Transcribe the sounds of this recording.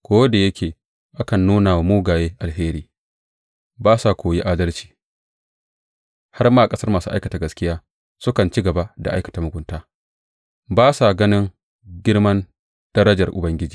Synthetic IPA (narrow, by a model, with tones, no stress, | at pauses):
kʷoː˦wda˨jɐ˦kʲʰeː˨ | ʔa˦kɐ˨nːuː˦naː˨wa˨moː˦ɡaː˨jeː˦ʔa˨lɦeː˦ɾiː˦ | baː˦sa˨kʷoː˨je˦ʔaː˦dɐ˦lt͡ʃi̥ː˨ | ha˦rmaː˦ʔa˨kʼɐ˦sɐ˦rmaː˨sṵː˦ʔa˦jkɐ˨taː˨ɡɐ˨skʲɪ˦jaː˦ | sʊ˦kɐ˨nt͡ʃi˦ɡɐ˨ba˦da˨ʔa˦jkɐ̥˨taː˨mʊ˨ɡʷʊ˨˦ntaː˦ | baː˦sa˨ɡɐ˦nɪ˦ŋ | ɡʲɪ˦ɽmɐ˦n | d̥ɐ˦ɾɐ˦d͡ʒɐ˨rʔʊ̰˨bɐ˦ŋɡʲɪ˦d͡ʒiː˨